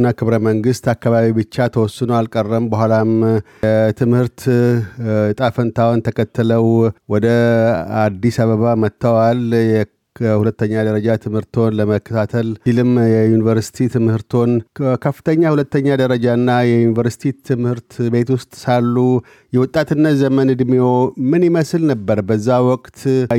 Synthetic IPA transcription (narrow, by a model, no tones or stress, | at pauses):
nːakʰɨβɾəməŋɡɨst̪akːaβaβibɨt͡ʃːat̪ʰəwɔsːɨnoalkʼərːəmbəhʷalam | t̪ʰɨmhɨɾt̪ | ɨt̪ʼafənt̪ʰawɔnt̪ʰəkʰət̪ːɨləwwɔd̪əad̪ːisaβəβamət̪ːəwaljɛ | hulət̪ːəɲːad̪əɾəd͡ʒat̪ʰɨmhɨɾt̪ʰo̞nləməkːət̪ʰat̪ʰəlilɨmjɛjunivəɾsi̥t̪ʰit̪ʰɨmhɨɾt̪ʰo̞nkʰəfːɨ̥t̪ʰəɲːahulət̪ːəɲːad̪əɾəd͡ʒanːajɛjunivəɾsi̥t̪ʰit̪ʰɨmhɨɾt̪be̞t̪wʊst̪ʼsalːu | jɛwʊt̪ʼːat̪ɨnːət̪zəmənɨd̪miomɨniməslnəbːəɾbəzːawɔkʼt̪